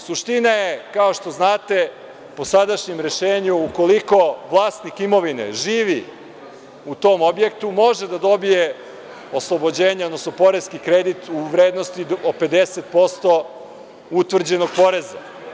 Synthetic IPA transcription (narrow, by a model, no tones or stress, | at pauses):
suʃt̪inaje̞kao̞ʃt̪o̞znaːt̪e̞ | po̞sad̪aʃɲemɾe̞ʃeːɲuːko̞liko̞ʋlˠaːst̪nikimo̞ʋinḛʒiːʋi | ut̪o̞ːmo̞bje̞kt̪umo̞ʒed̪ad̪o̞bije̞ | oslˠobo̞d͡ʑeːɲeod̪nosnopo̞ɾeskikɾed̪it̪uʋɾeːd̪nost̪iope̞d̪eset̪̚po̞st̪o̞ | ut̪ʋr̩d͡ʑe̞no̞ɡ̥̚po̞ɾe̞za̰